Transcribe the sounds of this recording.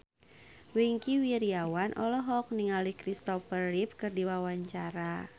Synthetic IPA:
wiŋkiwiɾiawanʔɔlɔɦɔk̚niŋalihkɾist̪ɔfərlip̚kɨrdiwawaɲt͡ʃaɾa

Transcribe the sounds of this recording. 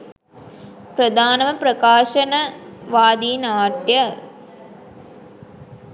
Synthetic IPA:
pɾɐd̪ʱaːnɐmɐpɾɐkaːʂɐnɐʋaːd̪ijnaːʈjɐ

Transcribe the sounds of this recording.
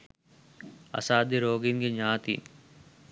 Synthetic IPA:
ɐ̰saːd̪iɾoːɡinɡiɲaːt̪ḭːn

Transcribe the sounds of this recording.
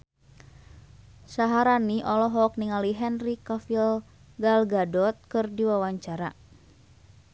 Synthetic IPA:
saɦaɾaniʔɔlɔɦɔk̚niŋaliɦɛnrikafil | ɡalɡadɔt̪̚kɨrdiwawaɲt͡ʃaɾa

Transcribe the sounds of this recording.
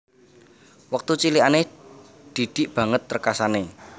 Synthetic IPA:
wək̚t̪ut͡ʃiliane | d̪̥i̤d̪̥i̤ʔb̥ä̤ŋət̪ːərkasane

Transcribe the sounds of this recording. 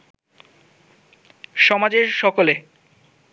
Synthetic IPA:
ʃɔmad͡ʑeɾʃɔkole

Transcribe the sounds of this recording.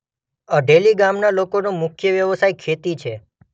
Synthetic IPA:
əɖeliɡamnalokonũmʊkʰjəʋjəʋəsajkʰet̪it͡ʃʰe

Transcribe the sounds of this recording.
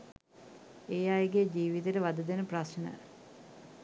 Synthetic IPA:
eːaeɡed͡ʑiːʋit̪eʈəʋad̪əd̪enəprasnə̰

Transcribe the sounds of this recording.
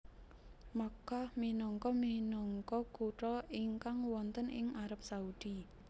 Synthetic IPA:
makahminɔŋkɔminɔŋkɔkuʈɔiŋkaŋwɔnt̪ənɪ̰ŋʔaɾap̚saud̪̥i

